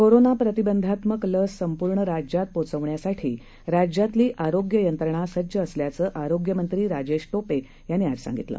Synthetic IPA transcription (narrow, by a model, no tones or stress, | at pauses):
koɾonapɾət̪ibənd̪ʱat̪məkləsːəmpuɾɳəɾad͡ʑjat̪̚pot͡səʋɳjasaʈʰḭː | ɾad͡ʑjat̪liːʔaɾoɡjəjənt̪ɾəɳ̃asəd͡ʑəːsljat͡səːʔaɾoɡjəmənt̪ɾiːɾad͡ʑeɕʈope | janːiːad͡zsa̰ŋɡit̪lə̰ː